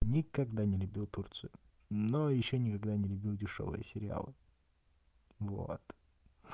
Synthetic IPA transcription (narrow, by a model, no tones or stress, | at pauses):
nʲɪkɐɡd̪anʲɪlʲʉbʲilˠt̪urt̪sɨʊ | nojɪɕːonʲɪkɐɡd̪anʲɪlʲʉbʲilˠdʲɪʂo̰vɨ̰jə̰sʲɪɾʲɪa̰lˠɨ | vo̰t̪